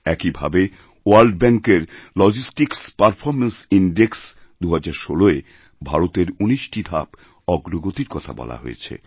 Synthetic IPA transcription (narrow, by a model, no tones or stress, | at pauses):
ɛkibʱa̰be | oalɖbɛŋkeɾlɔd͡ʑisʈikspaɾfʰɔɾmensinɖeks | d̪uɦad͡ʑaɾʃoloe | bʱaɾot̪eɾuniʃʈid̪ʱa̰p | ɔɡɾoɡot̪iɾkɔt̪ʰa̰bɔ̰la̰ɦo̰ḛt͡ɕʰḛ